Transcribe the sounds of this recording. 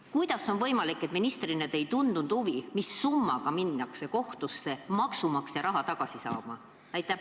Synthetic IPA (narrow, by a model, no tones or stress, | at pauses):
kujd̪̥ɑsːo̞nvɤjmɑlikːe̞t̪minist̪rinet̪e̞jt̪und̪̥und̪̥uvimisːumːɑ̰ɡ̥ɑminːɑkse̞ko̞ht̪usːe̞mɑksumɑksjɑɾɑɦɑt̪ɑɡ̥ɑsisɑ̰ːmɑ | næjt̪ːˑæ